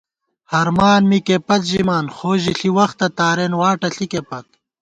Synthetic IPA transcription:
hɐɾmaːnmikepɐt̪ʑimaːnxoːʑiɬiwɐxt̪ɐt̪aːɾenwaːʈɐɬikepɐt̪̚

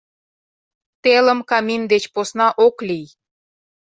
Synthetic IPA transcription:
t̪elə̆mkɑmʲimd̪et͡ɕposnɑʔoklij

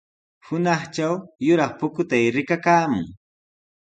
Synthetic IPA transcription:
hʊnɑχt͡ʃawjʊɾɑχpʊkʊt̪ajɾɪkakaːmʊ̰ŋ

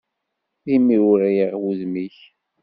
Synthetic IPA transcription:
imiɾʊɾæjəʁwuðmiç

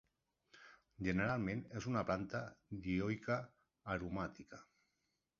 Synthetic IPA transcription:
ʒeneɾalˠmẽnezunaplant̪ad̪iojkaː | ɾumat̪ika

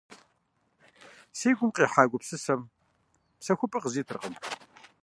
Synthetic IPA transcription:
siːɡʷʊmqʼiːħaːɡʷʊpsɨsɐm | psɐxʷʊpʼɐqəziːt̪ʰɨrqəm

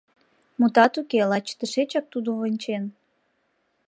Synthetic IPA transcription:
mut̪ɑt̪ukelɑt͡ɕt̪əʃet͡ɕɑk̚t̪ud̪oβənʲt͡ɕen

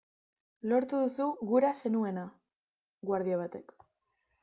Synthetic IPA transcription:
lo̞ɾt̪uðusuɣuɾase̞nue̞na | ɡwaɾð̞iaβ̞at̪e̞k

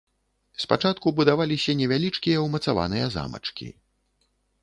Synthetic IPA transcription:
spat͡ʂat̪kubud̪avalʲisʲɐnʲɛvʲalʲit͡ʂkʲijɐwmɐt̪sava̰nɨjɐza̰mɐ̰t͡ʂkʲḭ

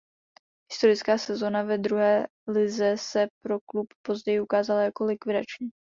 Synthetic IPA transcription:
ɦɪst̪o̞ɾɪt͡skaːsɛzo̞navɛd̪ɾuɦɛː | lɪzɛsɛpɾo̞kluppo̞zɟɛjɪʔukaːzalajako̞lɪkvɪdat͡ʃɲiː

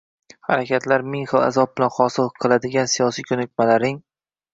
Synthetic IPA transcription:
haɾakʲʰat̪ʰlaɾmɪŋχɨlˠa̰zɒb̚bɪlanχɒsɨlˠqʰɨlˠad̪ɪɡʲansijɒsijkʲʰɵnɪk̚ʲmalaɾɪŋ

